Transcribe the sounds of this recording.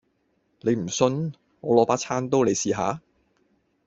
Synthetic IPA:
le˨˧jm̩˨˩sɵ˧n | ŋɔː˨˧lɔː˨˥paː˥t͡sʰaː˥nt̪o˥wle˨˧jsiː˧ɦa̰ː˨˧˥

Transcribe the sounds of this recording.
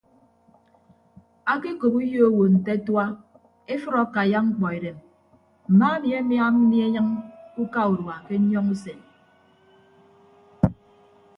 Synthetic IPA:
a˦ki˦ko˨pu˦jo˦o˦wo˨n̩˨te˦twa˦ | e˦fɨ˦ɾa˨˦ka˨ja˦ŋ͡m̩˦k͡pɔ˨e˨ɾe˨m | m̩˨ma˦e˦mi˨e˦mja˦m̩˦mi˦e˦ɲɨ˦ŋu˦ka˦u˨ɾwa˨ke˦ɲɔ˦ŋu˦se˨n

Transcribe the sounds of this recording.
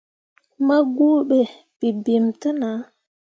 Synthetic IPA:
ma˦ɡu˦ɓɛ˨ | pi˨bi˨mtə˦na˨˦

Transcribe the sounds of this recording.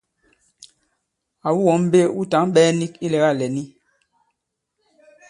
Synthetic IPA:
a˨wu˦wɔ˨˦m˦be˦u˦ta˨˦ŋ˦ɓɛː˦ni˦ki˦lɛ˨˦ɣa˦˨lɛ˨ni˦

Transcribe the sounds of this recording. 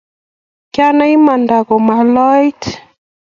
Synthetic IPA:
kja˦na˦i˦ma˨nda˨kɔ˨ma˨lɔ˦jt

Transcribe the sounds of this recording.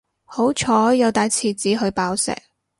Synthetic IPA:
ho˨˥wt͡ʃʰɔː˨˥jɐ˨˧wt̪aː˨˧jt͡sʰiː˨˩t͡siː˨˥ɦɵ˨˧ɥpaː˨˧˥wsɛ̰ː˨˩k̚

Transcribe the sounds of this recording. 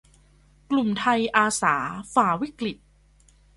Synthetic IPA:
klu˨˩mt̪ʰa˧jʔaː˧saː˩˦faː˩˦wi˦˥kli˨˩t̪̚

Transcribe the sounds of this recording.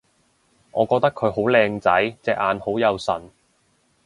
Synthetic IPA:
ʔɔː˨˧kɔː˧k̚t̪ɐ˥kʰːɵ˨˧ɥɦo˨˥wlɛː˧ŋt͡sɐ˨˥jt͡sɛː˧k̚ʔaː˨˧nho˨˥wjɐ˨˧wsɐ̰˨˩n

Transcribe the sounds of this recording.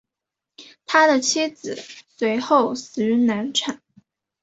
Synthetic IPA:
t̪ʰa˥d̪ə˨t͡ɕʰi˥d͡zɹ̩˨˩swe˧˥ɪxo˥˩ʊs̩˨˩y˧˥na˧˥nʈ͡ʂʰa˨˩˦n

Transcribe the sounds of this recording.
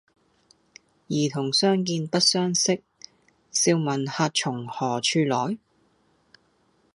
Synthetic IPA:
jiː˨˩t̪ʰʊ˨˩ŋsœː˥ŋk̬iː˧npɐ˥t̚sœː˥ŋsɪ˥k̚ | siː˧wmɐ˨˩nhaː˧t̚t͡ʃʰʊ˨˩ŋhɔː˨˩t͡ʃʰyː˧lɔː˨˥j

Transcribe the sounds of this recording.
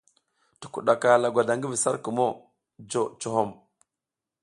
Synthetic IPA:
ti̥˨kṵ˨ɗa˨ka˨la˨ɡʷa˨da˨ŋɡi˦vi˨sa̰˦ɾkə˨mo˦˨ | d͡ʒo˨t͡ʃo˨ɦo˦˨m

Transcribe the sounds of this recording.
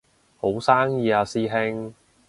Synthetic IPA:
ho˨˥wsaː˥ŋjiː˧aː˧siː˥ɦɪ˥ŋ

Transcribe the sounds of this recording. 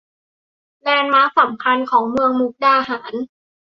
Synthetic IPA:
lɛː˧nmaː˦˥sa˨˩˦mkʰa˧nkʰɔː˩˦ŋmɯ˧əŋmu˦˥k̚daː˧˩ɦaː˩˦n

